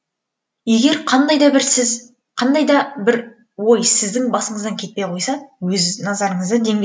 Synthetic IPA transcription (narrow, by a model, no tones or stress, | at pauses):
je̞ɡʲe̞ɾqʰɑnd̪ɑjd̪ɑbɪɾsɪz | qʰɑnd̪ɑjd̪ɑbɪɾ | wo̞jsɪzd̪ɪŋbɑsəɴəzd̪ɑŋkʲʰe̞t̪̚pe̞jqʰo̞jsɑwɵznɑzɑɾəɴəzd̪əd̪e̞ŋɡʲe